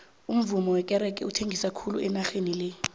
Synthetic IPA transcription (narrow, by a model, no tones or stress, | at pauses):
um̩vumɔwɛkʼɛɾɛkʼɛ̰utʰeŋɡʱisakʰulṵʔɛnaxenilɛ